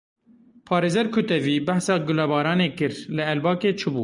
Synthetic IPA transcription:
pʰɑːɾeːzɛɾkʰʊt̪ɛviːbæhsɑːɡʊlɛbɑːɾɑːneːkɨɾlɨɛlbɑːkeːt͡ʃʰɨbṵː

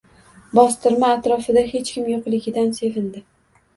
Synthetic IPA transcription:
bɒst̪ɪɾmaːt̪ɾɒfɪd̪aɦe̞t͡ʃkʲɪmjoqlˠɪɡʲɪd̪anse̞vɪnd̪ɪ

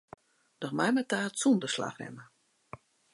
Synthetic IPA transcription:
d̥ɔxmajmətaːtsundəsla̰xrɛ̰mə

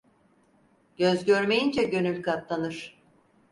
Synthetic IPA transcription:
ɟ̥øzɟø̞ɾme̞jind͡ʒɛɟø̞nylʲkat̪lˠanɯɾ̥

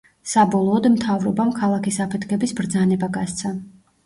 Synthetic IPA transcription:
sabɔlˠɔːd̪mt̪ʰavɾɔbamkʰalˠakisapʰɛt̪ʰkʰɛbisbɾd̪zanɛbaɡast̪sʰa

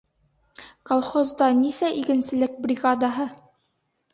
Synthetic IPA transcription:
kolˠχozd̪ɑnisæʔiɡɘ̆nsɘ̆lɘk̚brʲiɡad̪aɦɤ

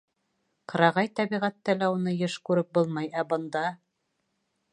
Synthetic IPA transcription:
qɤ̆ɾɑʁɑjt̪æβiʁæt̪ːælæunɤjɤʃkʉɾɘp̚bolˠmɑjæbɤ̆nd̪ɑ

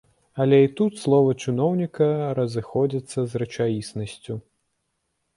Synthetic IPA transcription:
ɐlʲɛit̪ut̪slˠɔvɐt͡ʂɨnɔwnʲikɐɾɐzɨxɔd͡zʲɐt̪sːɐzrɐt͡ʂajisnɐsʲt͡sʲu

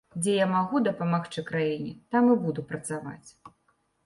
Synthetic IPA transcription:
d͡zʲɛjamaɣud̪ɐpamaxt͡ʂɨkɾajinʲit̪amɨbud̪upɾɐt̪sava̰t͡sʲ

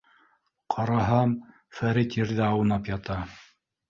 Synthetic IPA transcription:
qʰɑɾɑɦɑm | fæɾit̪jɘ̆ɾðɘɑwɤ̆nɑpjɑt̪ɑ

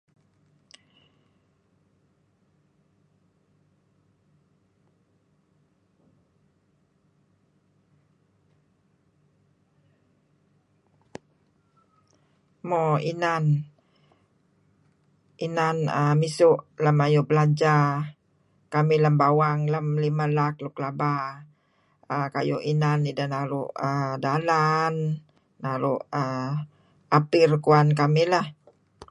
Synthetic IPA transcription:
mɔinan | inanəmisʊʔləmajubəlad͡ʒa | kamiləmbawaŋləmlimalakluklaba | əka̰juʔinanidanaɾuʔədalanː | aɾuʔə | apɪrkuankamilah

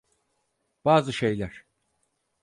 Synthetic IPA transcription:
b̥aːzɯʃejlʲæɾ̥

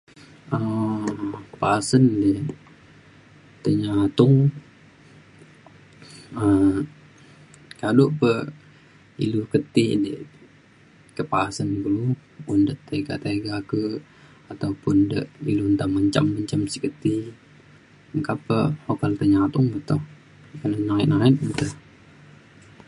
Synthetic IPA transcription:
ə | pasəndə | t̪əɲat̪ʊŋ | ə | kalupə | ḭlukət̪idə̰ | kəpaːsanɡuluundət̪ːeɡa̰t̪eɡakə | at̪aupundəʔilunt̪aməɲt͡ʃa̰mːəɲt͡ʃamsikət̪i | əŋkapəokalt̪əɲat̪ʊŋbət̪ʊ | kənənaɪʔ̪̚naɪt̪̚bət̪ə

